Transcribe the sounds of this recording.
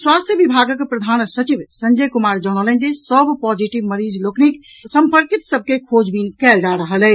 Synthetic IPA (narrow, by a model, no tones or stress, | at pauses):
swast̪ʰjəbibʱaɡəkpɾəd̪ʱaːnsət͡ʃiʋsəɲd͡ʒəjkumaɾd͡ʒɔnəlɛ̃nd͡ʒesəbpɔd͡ʒiʈiʋməɾid͡ʒloknik | səmpəɾkit̪səb̚ʱkekʰod͡ʒbinkɛːld͡ʒaɾəɦəlɛ